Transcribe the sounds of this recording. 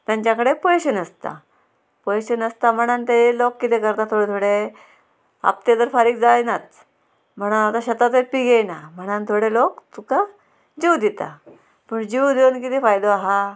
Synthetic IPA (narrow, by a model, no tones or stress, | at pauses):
t̪jãɲt͡ɕakəɽepəjɕənəst̪a̰ | pəjɕənəst̪am̤əɽ̃ant̪eelokːit̪ekəɾt̪at̪ʰoɽet̪ʰoɽe | a̰p̚t̪jed̪əɾfaɾiːkd͡zajnat̪̚ | m̤əɽ̃oat̪aɕət̪at̪epiɡejnam̤əɽ̃ant̪ʰoɽelokt̪uka | d͡ʑiwd̪it̪a̰ | pəɳd͡ʑiwd̪ewnkit̪efajd̪oaɦa